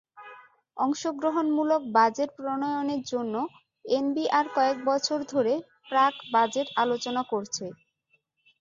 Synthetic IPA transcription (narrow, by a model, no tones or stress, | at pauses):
ɔŋʃoɡɾoɦonmulok̚bad͡ʑeʈpɾonojoneɾd͡ʑonːo | enbiʔaɾkɔek̚bɔt͡ɕʰoɾd̪ʱoɾe | pɾakbad͡ʑeʈalot͡ɕonakoɾt͡ɕʰe